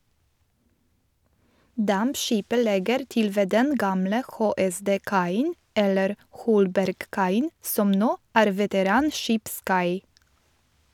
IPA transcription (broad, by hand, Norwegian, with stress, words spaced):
ˈdɑmpˌʃiːpə ˈlɛɡəɾ ˈtɪl ˈʋeː ˈdɛn ˈɡɑːmlə ˌxoːɛˌsdeːˈkɑɪn ˈɛləɾ ˈhɔlbæɾɡˌkɑɪən ˈsɔm ˈnoː ˈæːɾ ʋɛtəˈɾɑːnˌʃiːpˌskɑɪ